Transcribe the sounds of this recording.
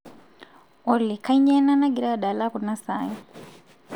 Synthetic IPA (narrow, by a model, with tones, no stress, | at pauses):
ɔ˨li˨ka˦i˦ɲɛ˦na˦na˦ɡi˨ɾa˦a˨ɗa˨la˦ku˨na˦sa˦jɔ˦